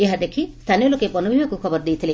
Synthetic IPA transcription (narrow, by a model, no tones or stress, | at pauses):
eɦad̪ekʰist̪ʰanijɔlokepɔnubʱibɔkukʰɔbɔɾd̪ejt̪ʰile